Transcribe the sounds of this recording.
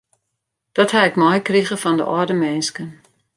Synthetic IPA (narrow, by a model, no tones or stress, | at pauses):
d̥ɔthɛɪkmɔjkriɣəfɔndə̰ʔɔdəmɛnskən